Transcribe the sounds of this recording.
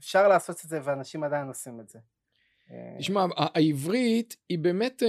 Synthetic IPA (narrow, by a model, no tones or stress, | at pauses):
efʃaʁlaːso̞tetzeveanaʃimad̪ajinosimetz̥ḛ | tiʃmaaʔaivʁit̪ibeːme̞t